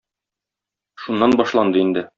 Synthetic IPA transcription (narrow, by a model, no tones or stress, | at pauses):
ʃunːɑnbɒʃlˠɑnd̪ɤind̪ɘ